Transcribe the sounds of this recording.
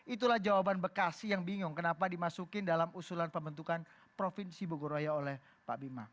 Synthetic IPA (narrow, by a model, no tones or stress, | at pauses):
ʔit̪̬ulahd͡ʒawabanbərkasɪjaŋbiŋʊŋkənapadimasukɪndalamusulanpəmbənt̪ukan | pɾofinsiboɡoɾoajaolɛh | pabima̰